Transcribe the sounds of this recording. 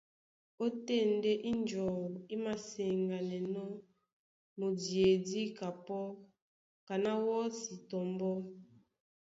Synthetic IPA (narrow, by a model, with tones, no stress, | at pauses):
o˦te˦˨n˦de˦ʔi˦n˦d͡ʒɔ˨wi˦ma˨se˨ŋɡa˨nɛ˨nɔ˦ | mo˨di˨e˨di˦ka˨pɔ˦ | ka˨na˦wɔ˦si˨tɔ˨mbɔ˦